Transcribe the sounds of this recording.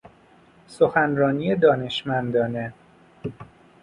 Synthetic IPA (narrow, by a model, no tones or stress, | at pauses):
so̞xænrɒːnije̞d̪ɒːne̞ʃmænd̪ɒːne̞